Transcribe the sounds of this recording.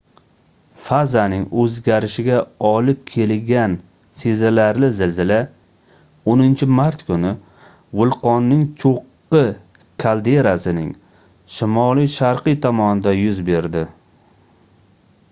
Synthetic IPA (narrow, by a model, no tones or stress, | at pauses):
fazanɪŋɵzɡʲaɾɪʃɪɡʲaɒlɪp̚kʲʰe̞lɡʲan | sezalaɾlɪzɪlzɪla | onɪnt͡ʃʰɪmaɾt̪kʰʊnɪ | vʊlˠqɒnːɪŋt͡ʃʰoqːɨ | kʰald̪e̞ɾasɪnɪ̰ŋ | ʃɪmɒlijʃaɾqɨjt̪ʰɒmɒnɪd̪ajʊzbe̞ɾd̪ɪ